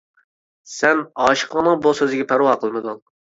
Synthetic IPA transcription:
sɛnɑːʃɨ̥qʰəŋnɨŋbosøzɪɡʲɛpʰæɾuɑːqʰəlˠmɨd̪uŋ

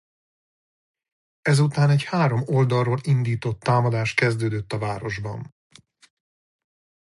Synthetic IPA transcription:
ɛzut̪aːnɛchaːɾo̞mo̞ld̪ɒrroːlind̪iːt̪o̞t̪ːaːmɒd̪aːʃt̪̚kɛzd̪øːd̪øt̪ːɒvaːɾo̞ʒbɒ̰n

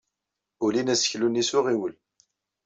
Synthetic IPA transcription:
ʊlinæsə̥çlunisʊʁiwəl

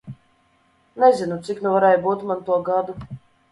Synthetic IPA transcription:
nezinut̪siknuvaɾɛjbuːt̪mant̪uɔɡad̪u

